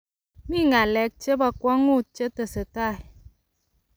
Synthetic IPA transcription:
mi˦˨ŋa˨lɛ˨˦k̚t͡ʃe˦ba˨kwɔ˦ŋu˦˨t͡ʃe˦tə˨sɨ˨ta˦˨j

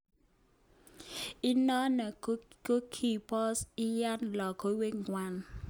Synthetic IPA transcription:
i˦nɔ˦na˨˦ko˦kʰi˦˨pɔ˦sɪ˦ja˦nlɔ˨kʰo˦we˦ŋɡwa˦˨n

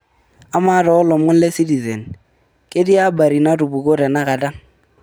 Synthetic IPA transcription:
a˦ma˦ɾɔ˨˦lɔ˨mʊ˦n˦le˦si˦ti˨zḛ˨n | ke˦di˦a˦ba˨ɾi˨na˦tu˨bu˨ko˦ɾɛ˨na˦ka˨ta˦ŋ

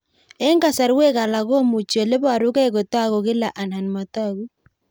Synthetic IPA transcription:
e˦ŋɡa˨sa˨ɾwe˦ka˨la˨ɣo˦mu˨t͡ʃo˨le˦ba˨ɾʊ˦kɛ˦ko˨ta˦ɣo˨ɣɪ˦la˨ʔa˨na˨nma˨ta˦˨ɣu˦

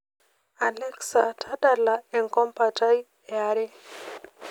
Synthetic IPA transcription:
a˨lɛ˦ksa˨tʰa˦da˦la˨e˨ŋkɔ˦mpa˨ta˦j | e˨aɾe˦

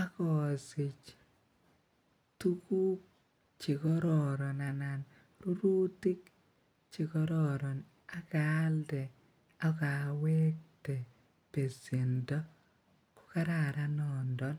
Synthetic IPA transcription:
a˦kɔ˨sɪ˨t͡ʃ | tu˦ku˦k̚ | t͡ʃɪ˨kɔ˦ɾɔ˨ɾɔ˨na˨na˨n | ɾu˦ɾu˦ti˦k | t͡ʃɪ˨kɔ˦ɾɔ˨ɾɔ˨n | a˦ka˦ldɛ˨ | a˦ka˨we˦k̚te˨ | pe˨si˨ndɔ˦ | kʊ̥˦ka˦ɾa˨ɾa˦nɔ˨ndɔ˦n

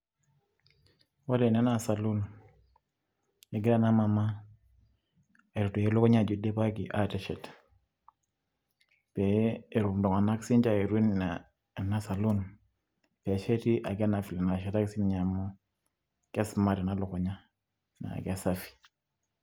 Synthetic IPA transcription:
wa˦de˨nɛ˦na˦˨sa˨lu˦n | e˨˦ɡɪ˦ɾa˦na˦ma˨ma˦˨ | ɾu˨tu˨je˦lʊ˦kɔ˦ɲa˦˨d͡ʒu˦de˦pa˦ki˨ʔa˦˨tɛ˨ʃɛ˨t | pɛ˨e˨ɾu˨mdɔ˨ŋa˨na˦ksi˦nd͡ʒa˦˨e˨ɾwi˦na˨ | na˦sa˨lu˦n | pɛ˨˦ʃɛ˦ti˦ʔa˨ɡa˦na˨fi˨lɛ˨na˨ʃɛ˦ta˦ksi˦n˨ɲa˨mo˦ | kɛ˦sma˦ɾɛ˨na˦lo˨kɔ˨ɲa˦ | na̰˨ka˦˨sa˦fi̥˨

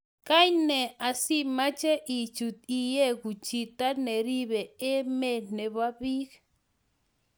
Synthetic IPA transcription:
ka˦ɲnɛ˨a˨si˦ma˦t͡ʃɛ˦ʔi˨t͡ʃu˨t̪i˨jɛ˦ɣu˨t͡ʃi˨t̪a˦nɛ˨ɾi˦βɛ˨e˦mɛ˦nɛ˨βa˦bi˦k

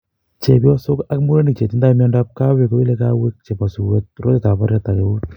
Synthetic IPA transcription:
t͡ʃe˨pjɔ˦sʊ˦ka˦kmu˦ɾe˦ni˨k̚t͡ʃe˨ti˦nda˦mjɔ˦nda˦p̚ka˦we˨ko˦i˦le˦ka˦we˦k̚t͡ʃe˨pa˨su˨we˦t̪̚ro˦te˦ta˨pa˦ɾjata˨ke˨u˦t

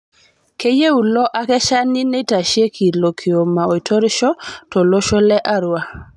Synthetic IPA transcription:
ke˦je˦u˨lɔ˦ʔa˦kɛ˦ʃa˦ni˦ne˦ta˨ʃe˦kʰi˨lo˨kʰi˨o˨ma˨o˨i˨tʰɔ˦ɾʃɔ˦tɔ˨lo˦ʃɔ˦lɛ˦ʔa˦ɾwa˦

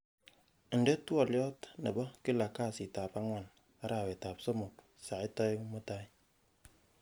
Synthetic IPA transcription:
n̩˨de˦twɔ˨lɔ˦tne˨bɔ˦ki˦la˨ka˦˨si˨ta˨pa˦ŋʷa˦˨n | a˦ɾa˨be˨ta˨pso˦mo˨k̚ | sa˨e˦tɔ˦mo˦ta˦

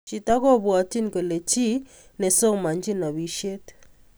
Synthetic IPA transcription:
t͡ʃi˨ta˦kɔ˦bwa˨ti˦n˨ke˨le˨t͡ʃi˦ | nɛ˨so˦ma˨nd͡ʒi˦na˨βi˨˦ʃe˦t

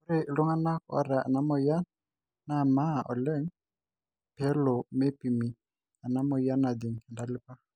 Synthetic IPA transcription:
ʊ˦ɾe˨lʊ˦ŋa˦na˦kɔ̰˦ɾa˨a̰˨na˦mɔ˨ja˦ | na˦˨ma˦ʔɔ̰˨lɛ˦ŋ | pʰɛ˦lɔ˨me˦pi˨mi˨ | a˨na˦mɔ˨ja˦na˨d̪i˨ŋ˨nda˨lɪ˦pa˦

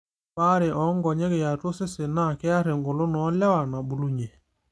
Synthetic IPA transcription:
pa˦ɾɪ˨ʔɔ˨˦ŋɡɔ˨ɲe˦ɣe˨ja˨tʊ˦sɪ˦sɪ˨na˦˨kɛ˦a˦ɾɪ˨ŋɡʊ˨lʊ˦nɔ˨˦la˦wa˨na˨bu˨lu˦ɲe˨

